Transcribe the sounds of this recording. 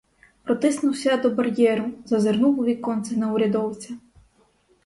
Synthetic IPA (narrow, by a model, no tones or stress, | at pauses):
pɾɔt̪ɪsnʊwsʲɐd̪ɔbɐrjɛɾʊzɐzernuʋʊʋʲikɔnt̪sɛnɐʊɾʲɐd̪ɔwt͡sʲɐ